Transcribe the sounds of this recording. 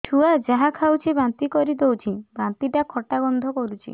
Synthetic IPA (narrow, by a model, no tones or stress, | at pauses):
ʈʰuad͡ʒaɦakʰawt͡ʃʰibant̪ikɔɾid̪owt͡ʃʰibãnt̪iʈakʰɔʈaɡɔnd̪ʱɔkɔɾut͡ʃʰḭ